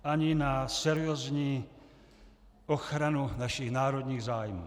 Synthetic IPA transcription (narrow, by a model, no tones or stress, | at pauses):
aɲinasɛɾiɔːzɲiː | ɔxɾanunaʃiɣnaːɾɔd̪ɲiːɣzaːjmɔ̰